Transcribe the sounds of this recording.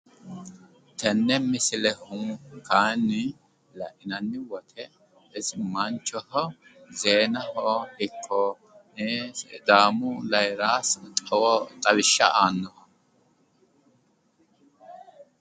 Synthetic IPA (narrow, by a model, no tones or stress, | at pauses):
t̪ɐnːɛmɪsɪlɛhʊkaːnːɪ | lɐ̰ʔɪnɐnːɪwɔt̪ʰɛ | ɪsɪmɐnt͡ʃːɔhɔzeːnɐhɔhɪkʰːɔ | d̪aːmʊlɐjɾaːst̪ʼɐwɔt̪ʼɐβɪʃːɐʔaːnːɔhɐ